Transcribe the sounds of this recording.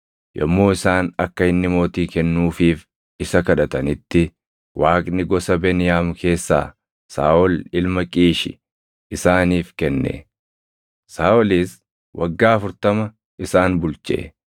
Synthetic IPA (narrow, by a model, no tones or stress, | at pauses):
jɔ̰mːo̞ːɪsaːnɐkːɐɪnːɪmo̞ːt̪iːkɛnːuːfiːf | ɪsɐkɐᶑɐt̪ɐnɪt̪ːɪ | wʔaːkʼnɪɡɔsɐbɛnɪjaːmkʰe̞ːsːa̰ː | sa̰ːʔɔlɪlmɐkʼiːʃɪ̰ | ɪsaːniːfkɛnːḛ | saːʔɔliːs | wʔɐ̰ɡːaːɐfʊɾt̪ɐmɐ | ʔɪsaːnbʊlt͡ʃʼḛː